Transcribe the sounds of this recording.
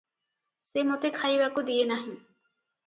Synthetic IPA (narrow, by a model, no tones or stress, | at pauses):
semot̪ekʰajʋɐkud̪ienɐɦi